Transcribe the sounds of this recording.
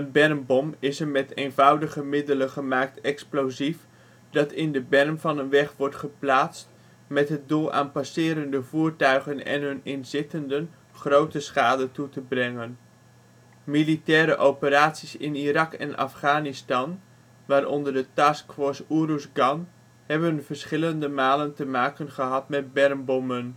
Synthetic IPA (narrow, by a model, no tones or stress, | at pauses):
ənbɛrmbɔmɪsəɹmɛtejnvʌwdəχəmɪdələχəmaːk̚tɛksplowzif | dɑtɪndəbɛrmvɑnənʋɛχʋɔɹtχəplaːtst | mɛtɦət̚dulˠa̰ːnpasɪːɾəndəvuːɹtœɥχənɛ̰nɦɵnɪnzɪtəndən | χrowtəsχaːdətutəbrɛŋən | militɛːɾəʔowpəɾaːtsisɪ̰nirɑkɛ̰nʔɑ̰fχaːnistɑn | ʋaːɾʔɔndəɹdətaskfɔɹsurusɡɑn | hɛbənvəɹsχɪləndəmaːləntəmaːkənχəɦɑtmɛt̚bɛrmbɔmən